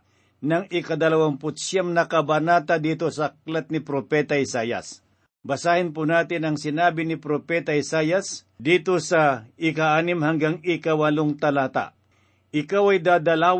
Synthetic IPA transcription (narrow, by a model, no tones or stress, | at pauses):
nɐŋɪkɐd̪ɐlɐwampʊt̪sjamnɐkɐbɐnaːt̪ad̪iːt̪osɐk̚lat̪̚nɪpɾopɛːt̪ɐɪsaːjɐ̰s | bɐsaːhɪnp̬ʊnaːt̪ɪnɐŋsɪnaːbɪnɪpɾopɛt̪ɐɪsaːjɐs | d̪iːt̪osɐɪkaʔaːnɪmhɐŋɡaŋɪkɐwɐloŋt̪ɐlaːt̪a̰ | ʔɪkawɐjd̪aːd̪ɐlaːw